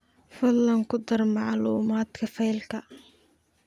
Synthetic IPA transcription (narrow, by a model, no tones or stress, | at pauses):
fɐlːɐŋkʰʊd̪ɐrmɑʕluːmaːd̪kʰɐfɛjlkʰɐ